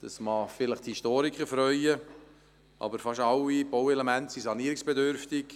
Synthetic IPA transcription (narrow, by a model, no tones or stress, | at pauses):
d̪̥ɑsmɑːfɪləχt̪hisʃtoːɾikʰχəɾfɾœʏə | ʔɑ̰bəɾfɑʃɑlːib̥owɛlemæntsisɑniəɾɪksb̥edøɾft̪ɪk